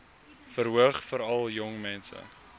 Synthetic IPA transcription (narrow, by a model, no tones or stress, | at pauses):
fəɾɦuəχfəɾɐlˠjɔŋmɛnsə̰